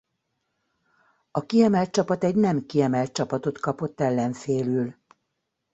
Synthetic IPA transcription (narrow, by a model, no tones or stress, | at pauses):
ɒkiɛmɛlt̪̚t͡ʃɒpɒt̪ɛɟnɛmkiɛmɛlt̪̚t͡ʃɒpɒt̪o̞t̪kɒpo̞t̪ːɛlːɛɱfeːlyl